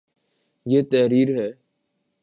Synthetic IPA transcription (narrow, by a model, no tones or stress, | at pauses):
jeːt̪ɛɦɾiːɾɦɛː